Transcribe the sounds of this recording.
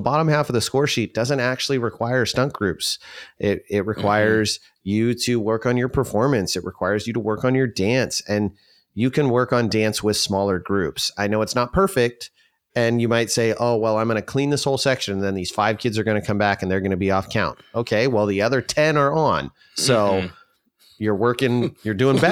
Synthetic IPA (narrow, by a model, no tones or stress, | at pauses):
əbɑɾə̃mhæfʌvðɨskɔɹʃit̚d̥ʌzɨ̃ntæk̚t͡ʃʉl̩ˠiɹɨkʰw̥aɪə˞stʌ̃ŋk̚ɡ̥ɹʉpsʔɪɾɪt̚ɹɨkʰw̥aɪə˞z | jɨɾɨwɜ˞kn̩jə˞pʰə˞fɔɹmɨ̃nsɨt̚ɹɨkʰw̥aɪə˞zjɨɾəwɜ˞kn̩jə˞dæ̃nsɨ̃n | jɨkʰɨ̃nwɜ˞kn̩dæ̃nswɪð̥smɔlˠə˞ɡɹʉpsaɪnoʊɨtsnət̚pʰɜ˞fɪk̚t | ɨ̃njɨmaɪtseɪʔoʊwɛlˠãɪ̃mɡʌ̃nɨkʰl̥ĩnðɪshoʊlˠsɛkʃɨ̃nðɨ̃nðiz̥faɪv̥kʰɪdzə˞ɡʌñɨkʰʌ̃mbækɨ̃n̩ðə˞ɡʌñɨbiɔfkʰãʊ̃ntoʊkʰeɪwɛlˠðiʌðə˞tʰɛ̃nə˞ə̃n | soʊ | jə˞wɜ˞kɪ̃ŋjə˞dʉɪ̃ŋbɛ